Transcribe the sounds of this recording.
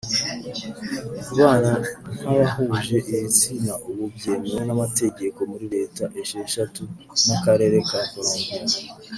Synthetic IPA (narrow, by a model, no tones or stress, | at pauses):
kuβaːnan̥hajahuʒe̞ʔiit͡sinaʔoβubjeːmonamate̞ɟe̞ko̞muɾiɾe̞ːtaʔe̞ʃeʃatu | nakaɾe̞ːɾe̞kakoɾoːŋɡia